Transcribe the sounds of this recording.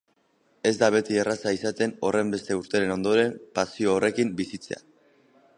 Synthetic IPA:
e̞zd̪aβ̞e̞t̪ierasaisat̪e̞no̞rʔe̞mbe̞st̪e̞uɾt̪e̞ɾe̞no̞nd̪o̞ɾe̞mpasio̞ːre̞kimbisit͡se̞̰a̰

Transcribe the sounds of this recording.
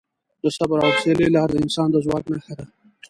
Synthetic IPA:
d̪̥əsabɾawselelɑːɾd̪əɪnsɑːnd̪əzwɑːknaxaɾa

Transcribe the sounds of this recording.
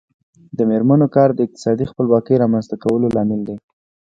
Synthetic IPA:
d̪əmeɾmanokɑɾd̪əɪq̚t̪ɪ̥sɑd̪ixpəlwɑkəjɾɑmanzt̪akawəlolɑmɪld̪e

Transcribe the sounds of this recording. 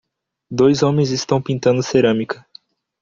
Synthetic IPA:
d̪ojzõmẽj̃zist̪ɐ̃w̃pĩnt̪ɐ̃nd̪ʊseɾɐ̃mikɐ

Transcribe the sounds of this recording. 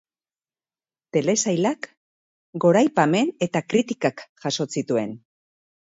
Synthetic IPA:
t̪e̞le̞sajlak | ɡo̞ɾajpame̞ne̞t̪akɾit̪ikakʝaso̞sit̪ue̞̰n

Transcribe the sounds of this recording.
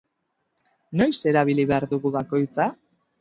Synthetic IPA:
no̞jse̞ɾaβ̞iliβe̞aɾðuɣuβako̞jt͡sa

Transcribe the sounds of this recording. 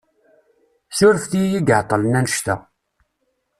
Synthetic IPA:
sʊɾəfθijiɡəʕt̪ˤːələnænəʃt̪æ̰

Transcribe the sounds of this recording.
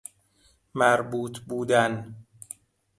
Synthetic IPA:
mæɾbuːt̪ʰbuːd̪æn

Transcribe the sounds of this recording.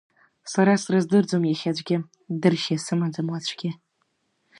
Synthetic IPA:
saɾasrɨzdɨrd͡zomjɛxʲad͡ʒʷɡʲɪ | dɨrʃesɨmad͡zɨmwat͡ɕʷʰʼɡʲɪ

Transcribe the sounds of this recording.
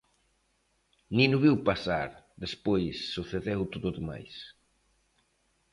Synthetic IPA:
nĩnuβiwpasaɾðespojsːuθeðewt̪oðʊðema̰js

